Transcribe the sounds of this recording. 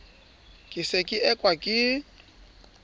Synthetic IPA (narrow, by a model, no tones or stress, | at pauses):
kʼɪsekʼɪʔɛkʼwakʼɪ